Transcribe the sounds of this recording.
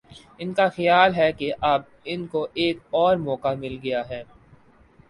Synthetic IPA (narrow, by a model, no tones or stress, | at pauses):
ɪnkaxɐjaːlɦɛkeʔɐb̚ | ɪnkoʔeːkɔːɾmɔːkamɪlɡɐjaɦɛː